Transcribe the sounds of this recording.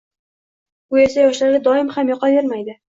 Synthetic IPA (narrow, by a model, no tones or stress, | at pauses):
ʊe̞sajɒʃlaɾɡʲad̪ɒɪmhamjɒqɑveɾmajd̪ɪ